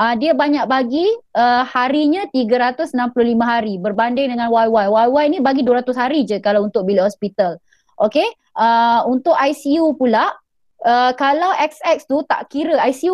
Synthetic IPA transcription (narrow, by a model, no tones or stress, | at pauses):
ʔədiəbaɲaʔ̚baɡiʔəhaɾiɲãt̪iɡəɾat̪ʊsənampulʊhlimə̃ɦaɾibərbandɪŋdəŋãnwajwajwajwajnĩbaɡiduəɾat̪ʊshaɾid͡ʒəkalawunt̪ʊʔ̚bilihɔspit̪al | ʔoke | ʔəunt̪ʊʔajsiupulaʔ | əkalawʔɛk̚sɛk̚st̪ut̪a̰ʔkiɾəajsiu